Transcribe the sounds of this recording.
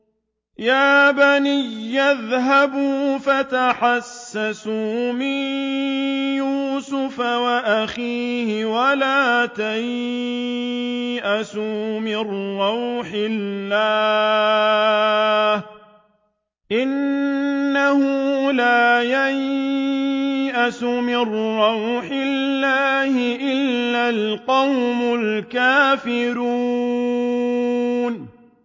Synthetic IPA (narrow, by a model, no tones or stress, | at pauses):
jaːbanɪjːaðɦabuːfat̪aħasːasuːmɪn | juːsʊfawaʔaxiːhɪwalaːt̪aj | ʔasuːmɪrːɑwħɪllːaː | h | ʔɪnː | ahʊlaːjaj | ʔasʊmɪrːɑwħɪllːaːhɪʔɪlːalqɑwmʊlkaːfɪɾu | n